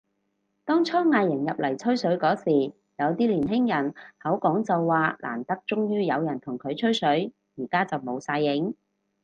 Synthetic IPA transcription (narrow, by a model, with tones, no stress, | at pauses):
t̪ɔː˥ŋt͡sʰɔː˥ŋːaː˧jːɪ˨˩ŋjɐ˨p̚lɐ˨˩jt͡sʰɵ˥ɥsɵ˨˥ɥkɔː˨˥siː˨˩ | jɐ˨˧wt̪iː˥liː˨˩nɦɪ˥ŋjɐ˨˩nhɐ˨˥wkɔː˨˥ŋt͡sɐ˨wːaː˨lʔa̰ː˨˩nt̪ɐ˥k̚t͡sʊ˥ŋjyː˥jɐ˨˧wjɐ˨˩nt̪ʰʊ˨˩ŋkʰɵ˨˧ɥt͡ʃʰɵ˥ɥsɵ˨˥ɥ | jiː˨˩kaː˥t͡sɐ˨wmo˨˧wsaː˧jːɪ˨˧˥ŋ